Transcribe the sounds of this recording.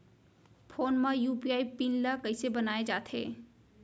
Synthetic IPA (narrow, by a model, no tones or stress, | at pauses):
pʰoːnmãjuːpiaːipinlakəɪsebənaːed͡ʒaːt̪ʰḛː